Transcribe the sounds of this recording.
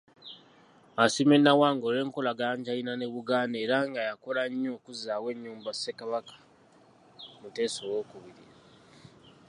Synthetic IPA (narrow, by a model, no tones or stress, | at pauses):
asimenːawaːŋɡole̞ːŋko̞laɡaɲɟajinane̞βuɡaːnde̞ːɾaŋɡajakolaɲːo̞ːkuzaːwe̞ɲːuːmbase̞kaβakḁ | mute̞ːsowoːkuβiɾiɾa